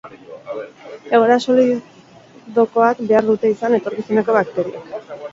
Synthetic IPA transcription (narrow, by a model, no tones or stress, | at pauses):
e̞ɣ̞oɾasoli | ðo̞ko̞akbe̞aɾðut̪e̞isane̞t̪o̞ɾkiseneko̞βakt̪e̞ɾiak